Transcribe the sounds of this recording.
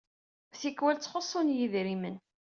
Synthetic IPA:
θikːwælt͡sːχosˤːonjiðɾimən

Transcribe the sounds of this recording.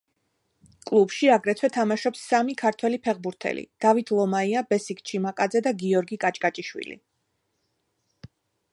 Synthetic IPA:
kʼlˠubʃiaɡɾɛt̪ʰwɛt̪ʰamaʃɔpsːamikʰaɾt̪ʰwɛlipʰɛʁbuɾt̪ʰɛ̰lḭd̪̥avit̪ʰlˠɔmaiabɛsikʰʼt͡ʃʰimakʼad̪zɛd̪aɡiɔɾɡikʼat͡ʃʼkʼat͡ʃʼiʃwḭlḭ

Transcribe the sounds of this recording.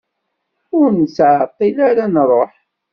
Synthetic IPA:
ʊɾnsʕət̪ˤːilaɾanrˤoħ

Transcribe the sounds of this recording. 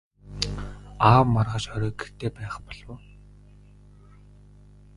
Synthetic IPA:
aːwmarʁaːʃχœɾœːɡer̥t̪eːpæːχpɔɮ̥ʊː

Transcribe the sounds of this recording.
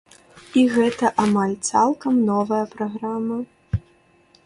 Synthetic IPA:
iɣɛt̪ɐʔamalʲt̪salˠkɐmnɔvɐjɐpɾaɣɾamɐ

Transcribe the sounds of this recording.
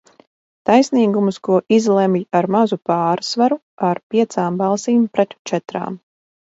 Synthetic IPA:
t̪ajsniːɡumuskuɔʔizlˠɛmjaɾmazupaːɾsvaɾu | aɾpʲiɛt̪saːmbɑlˠsiːmpɾɛt̪t͡ʃɛt̪ɾa̰ːm

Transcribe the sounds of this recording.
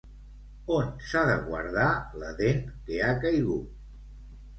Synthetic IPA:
onsaðə̰ɣwə̰ɾðaləðenkeakəjɣut̪

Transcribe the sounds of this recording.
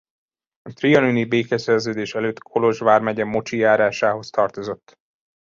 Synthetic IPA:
ɒt̪riɒnynibeːkɛsɛrzøːd̪eːʃɛløːt̪kʰo̞lo̞ʒvaːrmɛɟɛmo̞t͡ʃijaːɾaːʃaːɦo̞st̪ɒrt̪o̞zo̞t̪ː

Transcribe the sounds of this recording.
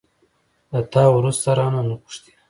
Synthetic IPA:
d̪at̪ɑwɾust̪aɾɑnanaqʊ̥ʂt̪i̥

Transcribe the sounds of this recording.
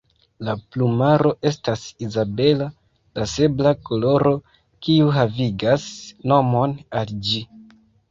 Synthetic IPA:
laplumaɾo̞ʔe̞stasizabe̞la | lase̞blako̞lo̞ɾo̞ | kiuɦaviɡasno̞mo̞nald͡ʒi

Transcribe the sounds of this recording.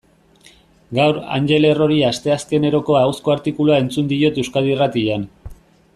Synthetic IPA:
ɡawɾa̰nd͡ʒe̞le̞ro̞ɾiast̪e̞aske̞ne̞ɾo̞ko̞awsko̞aɾt̪ikuluae̞nt͡sund̪io̞t̪ewskaðirat̪iʎan

